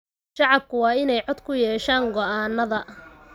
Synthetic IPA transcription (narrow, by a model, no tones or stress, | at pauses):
ʃɑʕɑb̚kʰʊwɑːɪnɛjʕɔd̪kʰʊjɛːʃaːŋɡɔʔaːnːɐðɐ